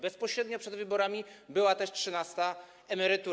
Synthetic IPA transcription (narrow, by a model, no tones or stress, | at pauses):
bɛspɔɕɾɛd̪ɲɔpʂɛd̪vɘbɔɾamʲibɘwat̪ɛʂtʂɘnast̪a | ɛmɛɾɘt̪u